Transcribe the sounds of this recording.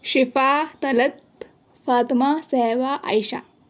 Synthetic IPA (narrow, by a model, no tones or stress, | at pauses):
ɕifat̪ɐlɐt̪ | faːt̪masɛʋaʔa̰jɕa̰